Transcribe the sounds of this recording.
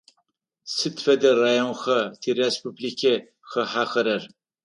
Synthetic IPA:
sɨtfɐdɐraːjonxɐtʰirespublikʲʰɐ | xɐħaːxɐɾɐr

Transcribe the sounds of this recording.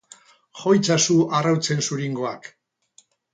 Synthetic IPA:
xo̞jt͡sasuarawt͡se̞nsuɾiŋɡo̞ak

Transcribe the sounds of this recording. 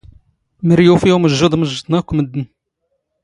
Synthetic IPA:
məɾjufiuməʒːud̪ˤməʒət̪nɑkʷːməd̪ːən

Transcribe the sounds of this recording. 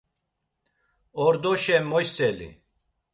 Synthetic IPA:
ɔɾd̪ɔʃɛmːɔjsɛlḭ

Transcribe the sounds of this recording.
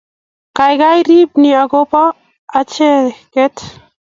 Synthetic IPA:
kajɡajɾibniaɡopaː | t͡ʃɛkɛt̪

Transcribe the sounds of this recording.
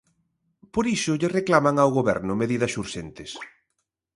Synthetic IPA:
poɾiʃʊʎɪreklamaŋawɣoβɛ̰ɾnʊmeðiðɐsuɾʃent̪ɪs

